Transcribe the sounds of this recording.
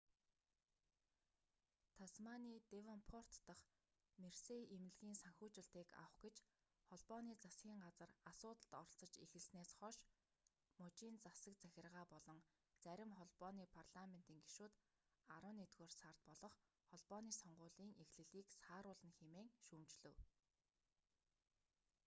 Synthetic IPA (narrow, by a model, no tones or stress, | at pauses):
t̪ʰasmaniːt̪ewɔnpʰɔr̥t̪ːə̆χ | merseemɘ̆ɮɣiːnsaŋxuːt͡ɕɪ̆ɬt̪iːka̰w̆χɡet͡ɕ | χɔɮpɔniːt͡sasɡʲiːŋɢat͡sə̆rasʊːt̪ə̆t̪ɔrɞ̆ɬt͡sɞ̆t͡ɕexɘ̆ɮsneːsχɔʃ | mʊt͡ɕiːnt͡sasə̆k̚t͡sæxʲɪ̆rʁaːpɔɮɞ̆ŋ | t͡sæɾʲɪ̆mχɔɮpɔːniːpʰarɮamen̥t̪iːŋɡiʃuːt̪ | aɾwə̆net̪ɣoːrsar̥t̪̚pɔɮɞ̆χ | χɔɮpɔːniːsɔɴɢʊːɮiːŋʔexɮɘ̆ɮiːksaːɾʊːɮə̆nxemeːŋʃumt͡ɕɮɵ̆w